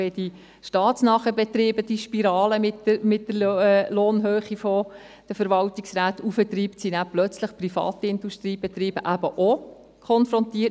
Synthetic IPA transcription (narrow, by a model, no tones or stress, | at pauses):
ed̥i | ʃtɑːtsnɑːχəbɛt̪ɾiːbəd̥iʃpiɾɑːləmɪtəmɪt̚dəɾloːnɦøːχifɔ | d̥əfəɾʋɑltiksɾæːt̪ufət̪riːptsinæplœt͡sləχprifɑ̰ːt̪iɪnduʃtɾiːb̥ɛt̪ɾiːb̥əʔæbəʔo | kʰɔnfɾɔntiːə